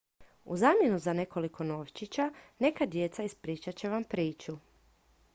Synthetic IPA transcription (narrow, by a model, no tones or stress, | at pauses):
ṵzaːmʲje̞nuzane̞ko̞liko̞no̞ːʋt͡ɕit͡ɕane̞kad̪je̞t̪saispɾiːt͡ʃat͡ɕe̞ʋampɾiːt͡ʃu